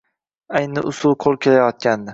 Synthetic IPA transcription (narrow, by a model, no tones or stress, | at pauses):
ajnɪʔʊsʊlˠqʰolˠkʲʰe̞lajɒt̪̚kʲʰand̪ɪ